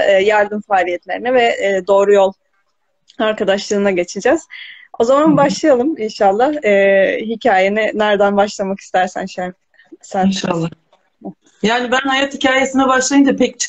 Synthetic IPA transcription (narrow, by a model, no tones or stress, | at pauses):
ɯːjaɾd̪ɯnfaːlʲijɛt̪lʲe̞ɾinɛvɛːd̪o̞ːɾujo̞lˠ | aɾkad̪aʃlˠɯːnaɟet͡ʃʰid͡ʒɛz̥ | o̞zamanbaʃlˠajalˠɯminʃalˠːahɯːɦicʰaːjenɪnæɾd̪ænbaʃlˠamaki̥st̪ʰæɾsæ̰nʃøn | sænʃalˠːa | jaːnibænhajat̪hicʰaːjesinɛbaʃlˠajɯmd͡ʒapʰɛc̚t͡ʃʰ